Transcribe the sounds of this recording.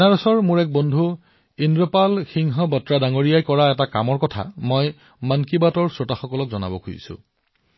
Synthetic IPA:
naɹɔsɔɹmʊɹɛk̚bɔndʱu | indɹɔpalxiŋɦɔbɔtɹadaŋoɹijajkɔɹaɛtaka̰mɔɹkɔtʰa̰mɔj | mankibatɔɹsɔtaxɔkɔlɔk̚zɔna̰bɔkʰuḭsʊ̰̃

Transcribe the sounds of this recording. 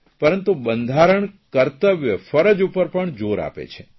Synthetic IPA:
pəɾənt̪ubənd̪ʱaɾəɳkəɾt̪əʋjəfəɾəd͡ʒupəɾpəɳd͡ʒoɾa̰pḛt͡ʃʰe̥

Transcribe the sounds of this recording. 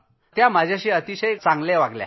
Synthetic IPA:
t̪jaməd͡ʑʱaɕiːət̪iɕəjt͡sãŋɡleʋaɡlja̰

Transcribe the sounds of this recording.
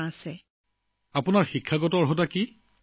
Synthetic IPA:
asɛ | apʊnaɹxikʰːaɡɔtɔɹɦɔtaki

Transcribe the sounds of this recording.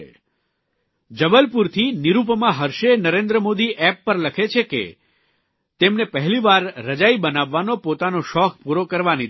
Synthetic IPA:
d͡ʒəbəlpuɾt̪ʰiniɾupmãɦəɾʃenəɾẽnd̪ɾəmod̪iʔɛpːəɾləkʰet͡ʃʰekḛ | t̪emnepəɦɛliʋaɾːəd͡ʒaibənaʋːanopot̪anoʃɔk̚puɾokəɾʋani

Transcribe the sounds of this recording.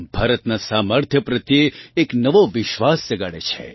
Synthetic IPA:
bʱaːɾət̪nasaməɾt̪ʰjəpɾət̪jeːknəʋoʋɪʃʋasd͡ʒəɡaɽet͡ʃʰḛ

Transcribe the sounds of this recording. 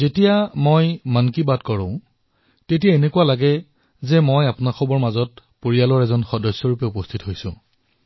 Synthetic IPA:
zetijamojmankibadkɔɹɔ̰̃ʊ̃ | tetijaenekuwalaɡɛ | zɛmojapʊnaxʰɔbɔɹmazɔtpoɹijalɔɹɛzɔnxɔdɔjsːɔɹupɛupɔstʰitɦojsʊ̰̃

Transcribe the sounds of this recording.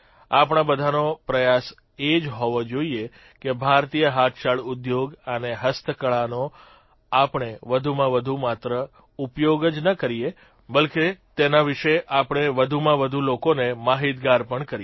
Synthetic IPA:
apɳ̃ãbəd̪ʱanopɾəjas | ed͡ʒɦoʋod͡ʒoie | kebʱaɾt̪ijəɦat̪ʰʃaɭʊd̪joɡəneɦəst̪ʰəkəɭano | apɳ̃eʋəd̪ʱumãʋəd̪ʱumat̪ɾə | upjoɡəd͡ʒnəkəɾie | bəlket̪enaʋiʃeʔapɳ̃eʋəd̪ʱumãʋəd̪ʱulokonemaɦit̪ɡaɾpəɳkəɾi

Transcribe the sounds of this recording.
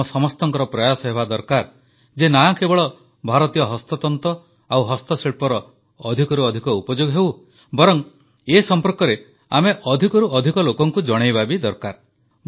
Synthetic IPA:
ɔsɔmɔst̪ɔŋkɔɾɔpɾɔjasɔɦeβad̪ɔɾkaɾ | d͡ʒenakebɔɭɔ | bʱaɾɔt̪ijɔɦɔst̪ɔt̪ɔnt̪ɔ | awɦɔst̪ɔsiɭpɔɾɔː | d̪ʱikɔɾuɔd̪ʱikɔupɔd͡ʒoɡɔɦew | bɔɾɔŋ | esɔmpɔɾkɔɾe | a̰meʔɔd̪ʱikɔɾuɔd̪ʱikɔlokɔŋkud͡ʒɔɽ̃ejbabid̪ɔɾkaɾ

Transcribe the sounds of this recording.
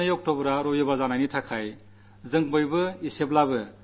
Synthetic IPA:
ɯjɔk̚tɔbɾaɾɔjɔbazanajnitʰakʰaj | zɯŋbɯjbɯisep̚labɯ

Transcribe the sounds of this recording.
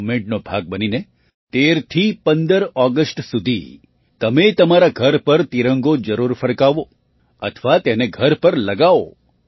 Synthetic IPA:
mẽɳʈnobʱa̰ɡ̚bənine | t̪eɾt̪ʰipənd̪əɾɔɡəsʈsud̪ʱḭ | t̪əmet̪əmaɾaɡʱəɾpəɾt̪iɾəŋɡod͡ʒəɾuɾfəɾkaʋo | ə̰t̪ʰʋat̪eneɡʱəɾpəɾləɡao̰

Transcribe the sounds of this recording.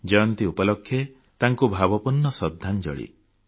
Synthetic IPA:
d͡ʒɔjɔnt̪iupɔlɔkʰːje | t̪aŋkubʱabɔpunːɔsɔd̪ʱːand͡ʒɔ̰ɭḭ

